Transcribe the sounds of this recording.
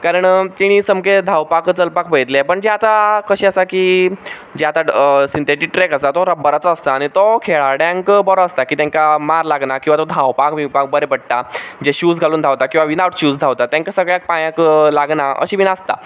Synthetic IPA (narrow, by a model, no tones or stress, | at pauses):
kaɾəɳt̪iɽ̃iːsəmked̪ʱawpakət͡səlpakpəjt̪lepəɳd͡ʑeat̪akəɕiəsakiː | d͡ʑeat̪asint̪eʈik̚ʈɾekəsat̪oɾəbːəɾat͡səːst̪aːɽ̃it̪okʰeɭaɽãŋkbɔɾoəst̪akiːt̪jãŋkamaɾlaɡnakĩw̃ʋat̪ɔd̪ʱãwpakmiwpak̚bəɾepəɽ̚t̪ad͡ʑeɕuːd͡zɡʱaluːnd̪ʱawt̪akĩw̃ʋaʋinawʈɕuːd͡zd̪ʱaʋt̪at̪jãŋkasəɡɭjak̚pãjãkəlaɡnaə̰ɕiːʋinast̪a̰